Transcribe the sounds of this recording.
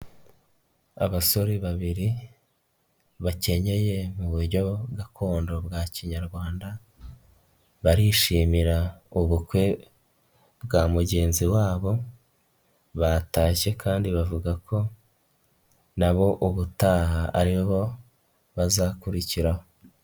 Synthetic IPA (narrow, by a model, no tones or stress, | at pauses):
a̰βaso̞ɾiβaβiɾi | βace̞ɲe̞je̞muβuɾɟo̞ɡakʰo̞ːndo̞bɡaːciɲaɾɡwaːnda | βaɾiʃiːmiɾauβukwe̞ | bɡaːmuɟe̞ːnziwaːβo̞ | βataːʃe̞kʰaːndiβavuɡakʰo̞ | naβo̞ʔuβutaːhaʔaɾiβo̞ | βazakuɾiciɾaho̞